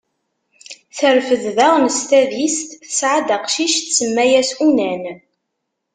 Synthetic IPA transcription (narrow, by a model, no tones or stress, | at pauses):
θəɾfəððæʁnəst̪æðist̪ə̥sʕad̪aqʃiʃt̪səmːæjæsunæn